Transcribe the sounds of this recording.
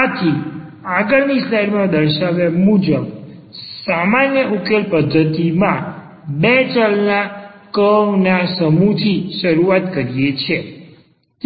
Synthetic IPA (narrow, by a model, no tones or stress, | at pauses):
at̪ʰi | aɡəɭnislajɖmãd̪əɾʃaʋemud͡ʒəb | samanjəʔukelpəd̪ʱːət̪imã | bet͡ʃalnakəʋnasəmut̪ʰiʃəɾuat̪kəɾijet͡ʃʰe | t̪